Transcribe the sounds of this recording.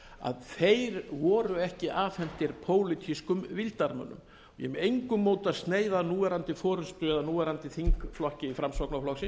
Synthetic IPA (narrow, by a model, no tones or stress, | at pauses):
a̰ðθejɾvɔːɾʏɛhcɪʔaːfɛn̥t̪ɪɾpʰoːwlɪt̪ʰiskʏmvɪlt̪aɾmœ̰nːʏ̰m | ɔjɛ̰mɛejŋkʏmːoːwt̪aðst̪neːjðanuːvɛɾant̪ɪfɔːɾʏnst̪ʏɛðanuːvɛɾant̪ɪθiŋkflɔhcɪifɾamsvɔknaflɔxsɪ